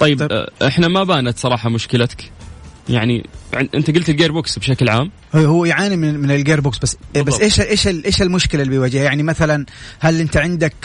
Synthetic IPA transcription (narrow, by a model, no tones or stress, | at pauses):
t̪ˤɑjːɪbʔɪħnamabaːnat̪sˤɑɾˤɑːħɑmʊʃkɪlakja̰ʕnḭʕɪʔɪ̰nt̪aɡʊlt̪ɪlɡeːɾbʊksbʃaklʕaːm | hhʊːjʕaːnimɪnmɪnɪlɡeːɾbʊksbasːbassːʔeːʃʔeːʃɪlʔeːʃɪlmʊʃkɪlalːbijwad͡ʒɪhajaʕnimaθalanhalʔɪnt̪aʕɪnd̪ak